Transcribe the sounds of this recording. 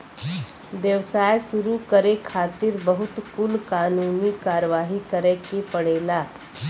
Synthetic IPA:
ʋjəʋsaːjsʊɾukəɾekʰaːt̪ɪɾbəɦʊt̪kʊlkaːnuːnikaːɾəʋaːɦikəɾɛ̃kepəɽeːlaː

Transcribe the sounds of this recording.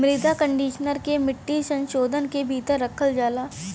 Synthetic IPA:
mɾɪd̪ʱakə̃ɳɖiːʃnəɾkemɪʈːisɐ̃nʃoːd̪ʱənkebʱiːt̪əɾːɐkʰəld͡ʒaːlaː

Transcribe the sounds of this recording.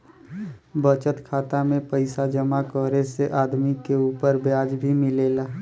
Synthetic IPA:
bət͡ʃət̪kʰaːt̪amẽpəɪsad͡ʒəmakɔːɾeseʔaːd̪mikeuːpəɾbjaːd͡ʒbʱimɪleːlaː

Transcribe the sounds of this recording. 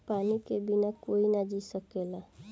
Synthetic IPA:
paːnikebinakoinad͡ʒisəkela

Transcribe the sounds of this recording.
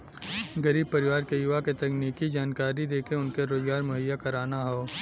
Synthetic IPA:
ɡɐɾiːb̚pɐɾɪʋaːɾkejʊʋaket̪ɐkniːkid͡ʒaːnkaːɾid̪eːkʰeʊnkeɾoːzɡaːɾmʊɦəjːakɐɾaːnaɦoː

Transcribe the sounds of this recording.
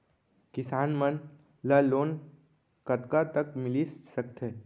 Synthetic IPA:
kɪsaːnmən | laloːn | kət̪kat̪əkmɪlisəkt̪ɦeː

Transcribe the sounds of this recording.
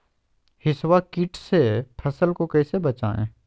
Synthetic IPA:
hɪswakɪʈsepʰɐsəlkokɛsebɐt͡ʃa̰ːḛ̃ː

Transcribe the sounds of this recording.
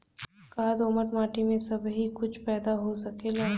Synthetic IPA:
kaːd̪oːməɾmaːʈimẽsɐbɦikʊt͡ʃʰpɛːd̪aɦosɐkela

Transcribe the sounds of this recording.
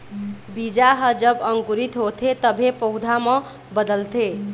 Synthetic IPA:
bid͡ʒaɦʌd͡ʒəbʌŋkuɾit̪ɦot̪ʰet̪əbʱepəwd̪ʱamʌ̃ | bəd̪əlt̪ʰe

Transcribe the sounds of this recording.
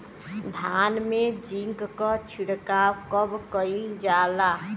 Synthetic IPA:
d̪ʱanmed͡ʒiŋkkɔt͡ʃʰiɽkakəbkəid͡ʒala

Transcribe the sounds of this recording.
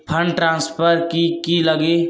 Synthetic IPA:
pʰə̃ɳɖʈɾãːnspʰəɾkikiləɡe

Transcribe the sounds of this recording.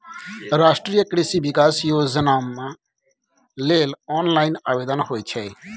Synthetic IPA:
ɾaːʃʈɾijəkɾɪsiːbɪkaːsjoːzənaːmã | leːlɔːnlaːinaːʋeːd̪ənhoːit͡ʃʰɛː

